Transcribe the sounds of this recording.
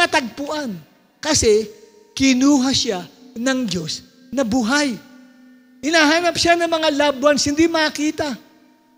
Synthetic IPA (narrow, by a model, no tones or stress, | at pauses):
at̪ɐɡ̚pʊʔan | kɐsɛ | kɪnuːɦɐsanɐŋd͡ʒo̞s | nɐbuɦaj | hɪnaːɦaːnɐpʃanɐŋmɐŋalaːbwɐnshɪnd̪imɐkiːt̪a